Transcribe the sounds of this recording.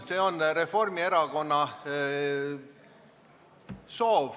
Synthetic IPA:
se̞ːo̞nre̞fo̞rmie̞ɾɑko̞nːɑ | so̞ːv

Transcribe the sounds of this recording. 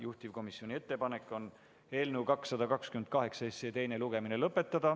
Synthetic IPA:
juht̪ʲivko̞misjo̞nʲie̞t̪ːe̞pɑne̞kːˑo̞n | e̞ːlnəwkɑksːɑd̪ɑkɑkskymen̚kɑɦe̞ksɑesːet̪e̞jne̞luɡ̥e̞minelɤpːˑe̞t̪ːɑd̪̥ɑ

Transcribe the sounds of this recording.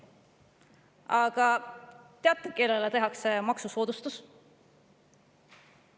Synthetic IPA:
ɑɡ̥ɑt̪eɑt̪ːˑeke̞lelet̪e̞ɦɑkse̞mɑksuso̞ːd̪ust̪us

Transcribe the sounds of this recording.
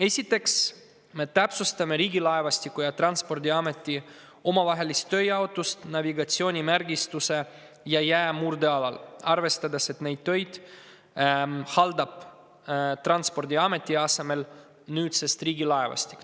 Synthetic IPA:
e̞sʲit̪ːˑe̞ks | me̞t̪æpsust̪ɑme̞ɾiːɡilɑevɑst̪ikːˑujɑt̪rɑnt̪spo̞rd̪ʲiɑme̞t̪ːˑi | o̞mɑvɑɦe̞list̪ːø̞jɑot̪ːˑust̪nɑviɡɑt̪sio̞ːnʲimærɡist̪use̞ | jɑjæːmurd̪eɑlɑlɑrve̞st̪ɑd̪ese̞t̪ne̞jd̪̥̚t̪ːø̞jd̪̥ | hɑld̪ɑb̥ | t̪rɑnspo̞rd̪ʲiɑme̞t̪ˑːiɑse̞me̞l | nyːd̪sest̪riːɡilɑevɑ̰st̪i̥k

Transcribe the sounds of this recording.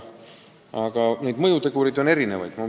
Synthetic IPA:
ɑɡ̥ɑne̞jd̪mɤjut̪eɡ̥uɾid̪o̞ne̞ɾine̞vɑjd̪no

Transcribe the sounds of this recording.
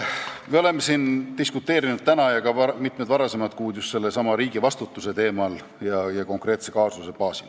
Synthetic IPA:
meo̞le̞mːe̞sint̪iskut̪ːˑe̞ːɾinud̪̚t̪ænɑjɑkɑɑmit̪me̞d̪vɑɾɑse̞mɑt̪kuːd̪just̪se̞lːesɑmɑɾiːɡ̥ivɑst̪ut̪ːˑuse̞t̪e̞ːmɑl | jɑjɑko̞ŋkre̞ːt̪se̞kɑːsuse̞pɑːsil

